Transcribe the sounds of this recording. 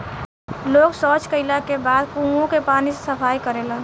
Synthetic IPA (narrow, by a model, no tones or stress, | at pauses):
loːɡsɔːt͡ʃkəɪlakebaːd̪kũõkepaːnisesəpʰaːjkəɾeːlaː